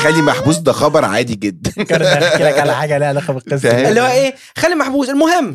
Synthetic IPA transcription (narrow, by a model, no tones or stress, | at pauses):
xælːimaħbuːsd̪æxɑbɑɾˤʕa̰ːd̪iɡed̪ːænɑɾeæalæħaːɡælihælæxæbelqːesæelːihowæʔeː | xælːimaħbuːselmoɦemː